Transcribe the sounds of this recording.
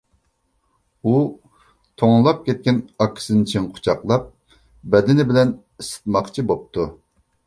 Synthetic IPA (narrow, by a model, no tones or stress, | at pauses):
u | t̪ʰoŋlˠɑp̚kʲɛt̪̚kʲɛnɑkʲʰːɪ̥sɨnt͡ʃʰiŋqʰʊ̥t͡ʃʰɑqlˠɑp̚ | bɛd̪ɪnɪbɪlɛn | isɪ̥t̪̚mɑqt͡ʃʰibop̚t̪ʰu